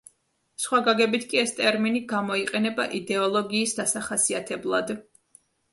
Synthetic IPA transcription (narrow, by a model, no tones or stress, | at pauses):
sχwaɡaɡɛbit̪ʰkʼiɛst̪ʼɛɾminiɡamɔiqʼɛnɛbaʔid̪ɛɔlˠɔɡiːsd̪asaχasiat̪ʰɛblˠad̪